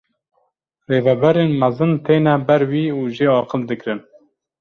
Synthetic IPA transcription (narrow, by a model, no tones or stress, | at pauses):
reːvɛbɛɾeːnmɛzɨnt̪ʰeːnɛbɛɾwiːuːʒeɑːqəld̪ɨkɾɨn